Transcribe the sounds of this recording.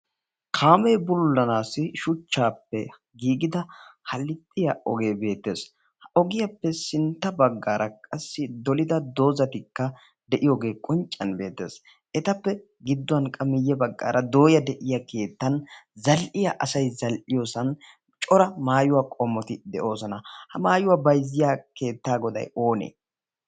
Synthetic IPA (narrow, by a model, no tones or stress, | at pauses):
kʰaːmeːbʊlːɐnaːsɪʃʊt͡ʃːaːpːɛ | ɡiːɡɪd̪ɐhɐlːɪt̪ʼːɪjɐʔɔɡe̞ːbe̞ːt̪ːe̞̰ːs | hɐʔɔɡɪjɐpːɛsɪnt̪ːɐbɐɡːaːɾʔɐkʼɐsːɪd̪ɔlɪd̪ɐd̪o̞ːzɐt̪ɪkːɐ | d̪ɛʔɪjoːɡe̞ːkʼɔnt͡ʃʼːɐnbe̞ːt̪ːe̞̰ːs | ʔɛt̪ɐpːɛ | ɡɪd̪ːʊɐnkʼɐmɪjːɛbɐɡːa̰ːɾʔɐd̪o̞ːjɐd̪ɛʔɪjɐkʰe̞ːt̪ːɐnzɐlʔɪjɐʔɐsɐjzɐlʔɪjoːsɐn | t͡ʃʼɔɾɐmaːjʊwaːkʼɔmːɔt̪ɪd̪ɛʔo̞ːsɔnɐhɐmaːjʊwaːbɐjzɪjaːke̞ːt̪ːaːɡɔd̪ɐ̰jo̞ːnḛː